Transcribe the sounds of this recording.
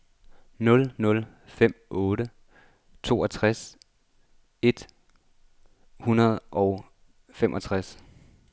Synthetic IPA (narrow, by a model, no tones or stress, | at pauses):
nɔ̽lnɔ̽l | fem̰ɔ̽ːɾə | t͡sʰo̝̰ːʔɒt͡sʰʁas | e̝d̥ | hunɐð̞ˠʔɒ̽ʊ | femʔɒ̽t͡sʰʁas